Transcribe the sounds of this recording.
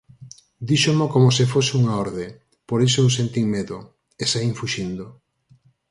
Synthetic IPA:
d̪iʃomokomosɪfosɪuŋaoɾðe | poɾesoewsent̪iŋmeðo | esaiŋfuʃind̪o

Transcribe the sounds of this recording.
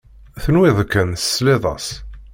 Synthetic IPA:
θənwɪðˤkːənsə̥sleðˤɑ̰s

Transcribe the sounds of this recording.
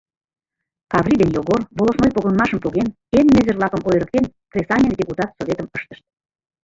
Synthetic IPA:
kɑvrʲid̪enjoɣorβolosmojpoɣənmɑʃəmpuɣen | enːøzərvlɑkə̆mʔojɾə̆k̚t̪enkrʲesɑnʲend̪ʲeput̪ɑt̪sovʲet̪əməʃt̪ə̥ʃt̪̚

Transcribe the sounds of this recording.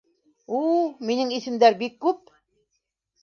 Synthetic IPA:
ulminɘŋisɘ̆md̪æɾbikːʉp̚

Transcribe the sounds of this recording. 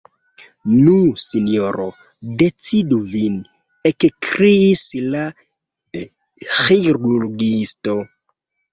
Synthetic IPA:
nusinjoɾo | det͡siduvin | ekkɾiːsla | xeɾulɡisto

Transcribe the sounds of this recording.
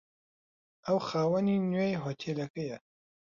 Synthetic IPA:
ɐwxaːwɐninwejɦot̪ʰeːlɐkɐjɐ

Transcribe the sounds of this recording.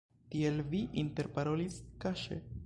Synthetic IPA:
tie̞lviʔinte̞ɾpaɾo̞liskaʃḛ

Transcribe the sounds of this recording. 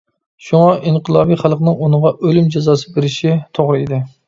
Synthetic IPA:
ʃuŋɑʔiɴqʰəlˠɑːbiχælˠqnɨŋunɨʁɑʔølymd͡ʒezɑːsɨ̥beɾɪʃit̪ʰoʁɾɨid̪ɪ

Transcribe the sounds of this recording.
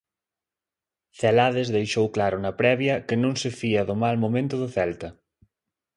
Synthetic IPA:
θɛlaðɪzðejʃowklaɾʊnɐpɾɛβjɐkɪnõŋsɪfiɐðʊmalmomẽnt̪ʊðʊθɛlt̪ɐ

